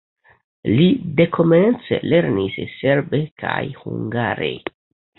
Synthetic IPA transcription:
lide̞kʰo̞ment͡se̞̰le̞ɾnisse̞ɾbekʰajhuŋɡaɾe̞̰

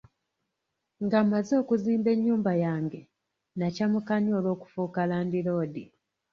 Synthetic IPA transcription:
ŋɡamazo̞ːkuziːmbe̞ɲːuːmbajaːŋɡe̞ | nacamukaɲoːlo̞ːku̥fuːkalaːndilo̞ːdi

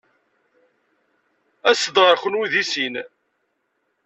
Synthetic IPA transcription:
æsəd̪ʁəɾxʷənwiðisin

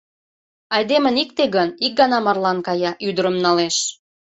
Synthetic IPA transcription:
ɑjd̪emənik̚t̪eɣənik̚ɡɑnɑmɑrlɑnkɑjɑʔyd̪əɾəmnɑleʃ

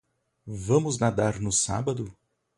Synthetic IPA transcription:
vɐ̃mʊznad̪aɾnʊsa̰bɐd̪ʊ

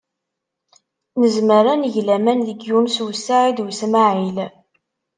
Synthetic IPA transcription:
nəzməɾænʝlæmænðəɡjunswsaid̪wsmaʕil

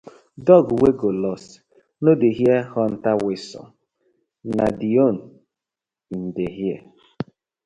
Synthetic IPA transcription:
dɔɡuweɡolɔs | nodeɦiehɔn̩tawesɔ̰ | nadion̩ | n̩deɦiḛ

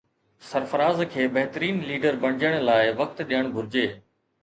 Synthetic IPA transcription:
sɐɾfəɾaːzkʰeːbɐɦt̪əɾiːnliːɖəɾbɐɽ̃ɪd͡ʑəɽ̃laːɪʋɐk̚t̪ɗijəɽ̃bʱʊɾɪd͡ʑeː

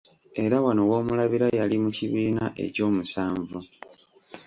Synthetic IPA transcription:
e̞ɾawano̞wo̞ːmulaβiɾajalimuciβiːnaʔe̞̰co̞ːmusaːɱvu

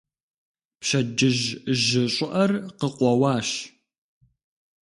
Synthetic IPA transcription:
pʃɐd͡ʒɪʒʒɪɕʼɪʔɐrqəqʷɔwɑːɕ

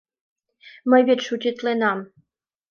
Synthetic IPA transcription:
məjβetʃut͡ɕʲit̪lenɑm

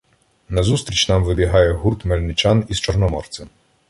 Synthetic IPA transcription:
nɐzust̪ɾʲit͡ʃnɑmʋɪbʲiɦɑjɛɦurt̪mɛlʲnɪt͡ʃanist͡ʃɔrnɔmɔrt̪sʲɛm

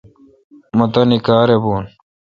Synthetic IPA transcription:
mɐt̪ɐnikaːɾeboːn

